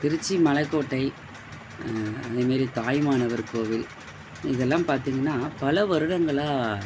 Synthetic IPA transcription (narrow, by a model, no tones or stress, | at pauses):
t̪ɪɾɯt͡ʃːimɐlɐɪkːoːʈːɐɪ | ɐðɐmaːɾit̪aːjmaːnɐʋɐɾkoːʋɪl | ɪðɛlːãːmpaːɾt̪iːŋɡɐnːaːpɐlɐʋɐɾɯɽɐŋɡɐɭaː